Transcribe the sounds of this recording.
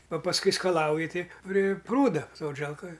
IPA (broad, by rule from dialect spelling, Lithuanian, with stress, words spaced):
ɐ pɐsˈkʊɪ skɐˈlˠɐʊjɪ ˈtɐɪ pʲrʲɪ ˈpruːdɐ ˈsoːd͡ʒʲɛlˠkoːj